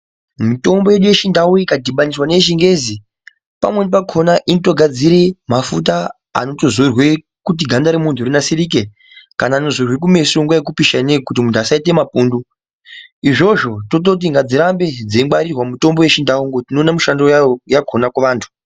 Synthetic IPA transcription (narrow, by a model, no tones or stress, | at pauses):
mito̞mbo̞je̞ɗuje̞ʃindawuikadʱiɓaniswanet͡ʃiŋɡe̞zi | pa̰mwe̞nipakʰo̞naʔinito̞ɡʱad͡ziɾemafut̬a | a̰no̞to̞zorwe̞ | kut̬iɡʱandaɾemuntʰurinasirik̬e | kanaːno̞zorwe̞k̬ume̞soŋɡwajek̬upiʃanekut̬imuntuasaite̞mapuːndu | iʐo̞ʐo̞to̞t̬o̞t̬iŋɡad͡ziɾambe̞d͡zeŋɡaɾirwamuto̞mbo̞je̞ʃindauŋɡotino̞ːnamuʃandojaojakʰonakuʋaːntʰu̥